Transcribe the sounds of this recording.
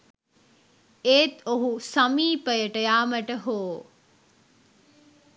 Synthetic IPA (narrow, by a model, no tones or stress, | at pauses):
eːt̪oɦusɐmiːpɐjəʈɐjaːmɐʈɐɦoː